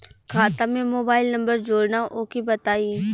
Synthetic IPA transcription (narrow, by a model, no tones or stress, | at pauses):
kʰaːt̪amẽmoːbaːɪlnə̃mbəɾd͡ʒoːɽnaʔoːkibət̪aːiː